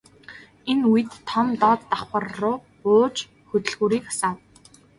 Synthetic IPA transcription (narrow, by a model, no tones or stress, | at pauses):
enuj̆t̪ʰːɔmt̪ɔt̪ːaχə̆rːʊː | ʊːt͡ɕ | xɵt̪ɵ̆ɮɣuːɾiːkasaːw